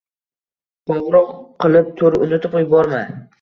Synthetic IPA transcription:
qɒʁɾɒqqːɨlˠɪp̚t̪ʰoɾɪʔʊnɪt̪ʰɪpjʊbɒɾma

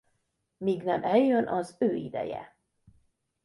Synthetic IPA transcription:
miɡnɛmʔɛjønʔɒzøːḭd̪ɛ̰jɛ̰

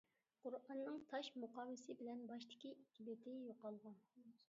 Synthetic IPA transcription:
qʊɾɑnːɨŋt̪ʰɑʃmuqʰɑːwɪsɪbɪlɛnbɑʃt̪ʰɪ̥kʲiʔikʰʲːibet̪ʰɪjoqɑlˠʁɑn

